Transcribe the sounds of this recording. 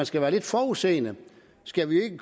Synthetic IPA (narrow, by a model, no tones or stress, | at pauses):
ænsɡ̥æʋæːɐle̝d̥fɒːuse̝̰ːnə | sɡ̥æʋie̝ɡ̥ək